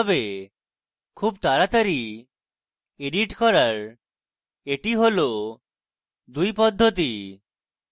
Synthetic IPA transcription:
ɔbe | kʰubt̪aɾat̪aɾi | eɖiʈkɔɾaɾ | eʈiɦolo | d̪ujpɔd̪ʱːot̪̬i

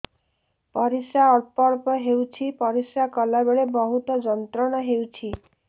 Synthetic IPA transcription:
pɔɾisaɔpɔɾpɔɦewt͡ʃʰipɔɾisakɔlabeɭebɔɦut̪ɔd͡ʒɔnt̪ɾɔɽ̃ɔɦewt͡ʃʰi

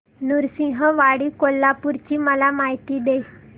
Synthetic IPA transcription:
nuɾsĩɦəʋaɽiːkolːapuɾt͡ɕiːməlamaɦit̪iːd̪e

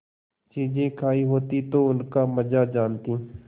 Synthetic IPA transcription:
t͡ʃiːd͡ʒẽkʰaːiɦoːt̪it̪oʊnkaməd͡ʒad͡ʒaːnt̪iː

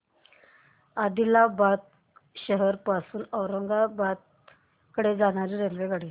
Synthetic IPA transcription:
ad̪ilabad̪̚ | ɕəɦəɾpasuːnəwɾəŋɡabad̪̚ | kəɽed͡zaɽ̃aɾiɾelʋeɡaɽiː

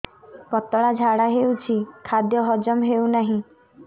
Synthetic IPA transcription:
pɔt̪ɔɭad͡ʒʱaɽaɦewt͡ʃʰikʰad̪jɔɦɔd͡ʒɔmɦewnaɦĩ

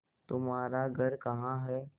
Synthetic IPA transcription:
t̪umaɾaɡʱəɾkəɦãɦɛ

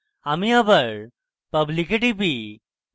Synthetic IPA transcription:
amiɐbəɾ | pɐblikeʈipi

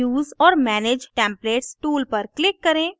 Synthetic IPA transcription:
uːzɔːɾmɛːneːd͡ʒʈɛ̃ːmpleːʈsʈuːlpɐɾklɪkːɐɾẽː

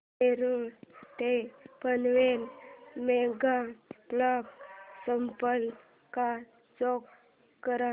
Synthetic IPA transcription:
eɾot̪epənʋenmeɡaplɔksəmpəl | ka | d͡zɔk | kːəɾa

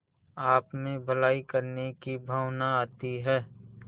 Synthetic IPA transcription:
aːpmẽbʱəlaːikəɾnekibʱawnaaːt̪iɦɛː

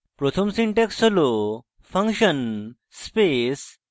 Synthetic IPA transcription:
pɾɔt̪ʰəmsiɳʈeksolo | fəŋkɕən | spes

